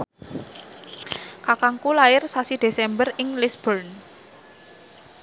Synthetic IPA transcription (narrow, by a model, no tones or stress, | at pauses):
kakaŋkulaɪrsasid̪̥e̤sɛmbərɪŋlɪsb̥ɔrn